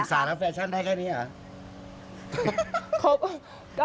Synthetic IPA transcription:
saː˨˦lɛː˦˥wfɛː˧˥t͡ɕʰa˥˩nda˥˩jkʰɛː˥˩niː˦˥ʔa˨˩ | kʰo˦˥p̚ | ka

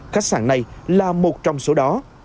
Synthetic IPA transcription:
xaː˦˥k̚sa̰ː˧˩nna˨˩jlaː˨˩mo˨˩t̚t͡ɕɔ˧wŋ͡mso˨˦ɗɔ˨˦

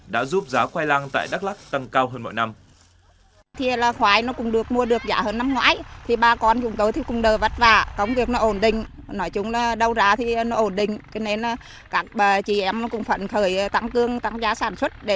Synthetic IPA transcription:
ɗa̰ː˧˥zu˦˥p̚zaː˨˦xwaː˧jlaː˧ŋt̪a̰ː˧˨jɗa˦˥k̚la˦˥k̚t̪ə˧˩ŋkaː˧wɦəː˧nmɔ̰˧˨jna˧m | t̪ʰi˨˧laː˨˩xwaː˨˦jnɔ˨˦kʊ˨˧˩ŋ͡mɗɨ˨˩ək̚mu˧əɗɨ˨˩ək̚zaː˧˩həː˧nːa˧mŋwa̰ː˧˥˦jt̪ʰi˨˩ɓaː˧˩kɔ˧nkʊ˨˦ŋ͡mt̪o˨˦jt̪ʰi˧˩kʊ˨˩ŋ͡mɗəː˨˩və˨˩t̚vaː˨˩kə˨˦wŋ͡mvi˨˩ək̚nɔ˨˦ʔo˧˩nɗï˨˩ŋ̟ | nɔ˨˦jt͡ɕʊ˨˦ŋ͡mɗə˧wzaː˨˦t̪ʰi˨˩˨nɔ˨˦ʔo˧˩nɗï˨˩ŋ̟t͡ɕɔ˨˦ne˧nʔ | kaː˦˥k̚ɓəː˨˩t͡ɕi˧˩ʔɛ˧˩mnɔ˨˦kʊ˧˩ŋ͡mfə̰˧˨nxəː˧˩jt̪a˧˥ŋkɨ˧əŋt̪a˨˥ŋzaː˨˦saː˧˩nswə˦˥t̚ɗe˧˩

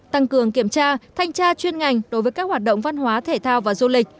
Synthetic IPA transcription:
t̪a˧ŋkɨ˨˩əŋki˧˩əmt͡ɕaː˧t̪ʰa˧jŋ̟t͡ɕaː˧t͡ɕwi˧ənŋa˨˩jŋ̟ɗo˨˦jvəː˨˦jkaː˦˥k̚hwaː˨˩t̚ɗə̰˧˨wŋ͡mva˧nɦwaː˨˦t̪ʰe˧˩t̪ʰaː˧wvaː˨˩zu˧lï˨˩k̟̚

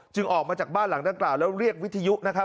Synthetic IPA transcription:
t͡ɕɯ˧ŋʔɔː˨˩k̚maː˧t͡ɕaː˨˩k̚baː˥˩nla˩˦ŋdaː˧ŋklaː˨˩wlɛː˦˥wɾi˥˩ək̚wi˦˥t̪ʰːa˧ju˦˥ʔna˦˥kʰa˦˥p̚

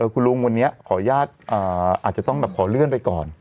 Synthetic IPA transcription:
ʔɤː˧˩kʰu˧nlu˧ŋwa˧nːi˦˥ɐkʰɔː˩˦jaː˥˩t̪̚ʔɤː˨˩ʔaː˨˩t̪̚t͡ɕa˨˩t̪ɔ˥˩ŋbɛː˨˩p̚kʰɔː˩˦lɯ˥˩ənpa˧jkɔː˨˩n

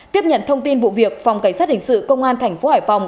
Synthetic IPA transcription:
t̪i˦˥əp̚ɲə̰˧˨nt̪ʰə˧wŋ͡mt̪i˧nvṵ˧˨vi˨˩ək̚fa˨˩wŋ͡mka˧˩ŋ̟saː˦˥t̚hï˨˩ŋ̟sɨ̰˧˨kə˧wŋ͡mʔaː˧nt̪ʰɛ˨˩jŋ̟fo˨˦haː˨˩jfa˨˩wŋ͡m

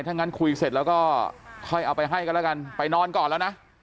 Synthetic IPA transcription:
jt̪ʰa˦˥˩ŋːa˦˥˩nkʰu˧jse˨˩t̪̚lɛː˦˥wkɔː˥˩kʰɔ˥˩jʔa˧wpa˧jɦa˥˩jkɔː˥˩lɛ˦˥˩ka˧npa˧jnɔː˧˥nkɔː˨˩nlɛː˦˥wna˦˥ʔ

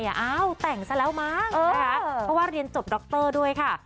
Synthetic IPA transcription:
ja˨˩ʔaː˥˩wt̪ɛ˨˩ŋsa˧lɛː˦˥wmaː˥˩kɤː˧˦kʰa˦˥pʰɔ˦˥waː˥˩ɾi˧ənt͡ɕo˨˩p̚dɔ˦˥k̚t̪ɤː˥˩du˥˩əjkʰa˥˩

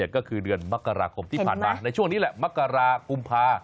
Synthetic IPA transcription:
t̪̚kɔː˥˩kʰɯː˧dɯ˧ənma˦˥kːa˧ɾaː˧kʰo˧mt̪ʰiː˥˩aː˨˩nmaː˧na˧jt͡ɕʰu˥˩əŋniː˦˥lɛ˨˩ma˦˥kːa˧ɾaː˧ku˧mpʰaː˧

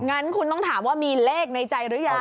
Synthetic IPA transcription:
ŋa˦˥nkʰu˧nt̪ɔ˥˩ŋt̪ʰaː˩˦mwaː˥˩miː˧leː˥˩k̚na˧jt͡ɕa˧jɾɯː˨˦˥ja˨˩

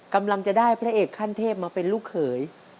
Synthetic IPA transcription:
ka˧mla˧ŋt͡ɕa˨˩daː˥˩jpʰɾa˦˥ʔeː˨˩kʰːaː˥˩nt̪ʰeː˥˩p̚maː˧pe˧nluː˥˩kʰːɤː˩˦j

